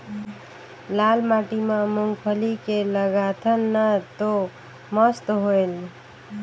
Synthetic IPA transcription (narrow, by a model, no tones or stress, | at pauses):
lalmaʈimamuŋɡpʰəlikeləɡat̪ʰənːət̪o | məst̪ɦojl